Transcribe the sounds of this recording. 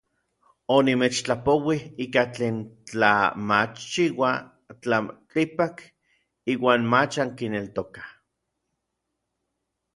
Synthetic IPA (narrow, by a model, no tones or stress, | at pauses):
onimet͡ʃt͡ɬapowihiːkat͡ɬeːnt͡ɬa̰mat͡ʃt͡ʃːiwa | t͡ɬamt͡ɬipak | iːwaːnmat͡ʃaŋkinelt̪okḁ